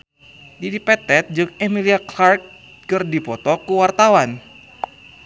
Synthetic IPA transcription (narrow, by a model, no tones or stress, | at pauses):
didipɛt̪ɛt̪̚d͡ʒɨk̚emiliaklark̚ | kɨrdipɔt̪ɔkuwart̪awan